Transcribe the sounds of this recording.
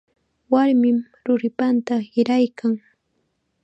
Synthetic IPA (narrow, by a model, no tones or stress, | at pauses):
waɾmɪm | ɾʊɾɪpant̪ahɪɾajkʰaŋ